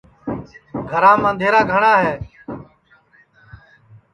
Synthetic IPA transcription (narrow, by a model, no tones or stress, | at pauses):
ɡʱəɾãːmãːnd̪ʱeːɾaːɡʱəɳaːɦeː